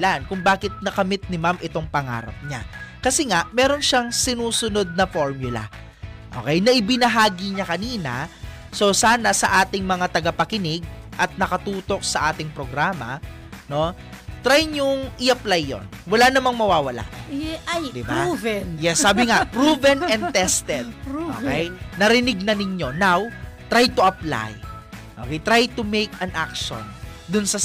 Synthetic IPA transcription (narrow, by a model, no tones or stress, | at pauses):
lankʊŋbaːkɪt̪̚nɐkɐmɪt̪̚nɪmamʔɪt̪o̞ŋpɐŋa̰ːɾɐ̰p̚ɲakɐsɛŋaʔmɛːɾo̞nʃaŋsɪnuːsʊno̞d̪̚nɐfo̞ɹmjʊlɐ̰ | ʔoːkɛjnɐʔɪbɪnɐɦaːɡiɲɐkɐniːnɐ̰ | so̞saːnɐsɐʔaːt̪ɪŋmɐŋat̪ɐɡɐpɐkɪnɪɡ̚ʔɐt̪̚nɐkɐt̪uːt̪o̞k̚sɐʔaːt̪ɪŋpɾo̞ɡɾaːmɐ̰ | no̞ | t̪ɾajɲʊŋʔɪʔɐplajːo̞̰nwɐlanɐmaŋmɐwaːwɐla̰ʔ | d̪ɪbavnjɛsːaːbɪŋapɾuvɛnɛnd̪ɛst̪ɛd̪̚o̰kɛjnɐɾɪnɪɡ̚nɐnɪɲo̞nawt̪ɾajt̪ʊʔɐpla̰jʔo̰kɛjt̪ɾajt̪ʊmejkɐnʔa̰kʃo̰nd̪ʊnsɐ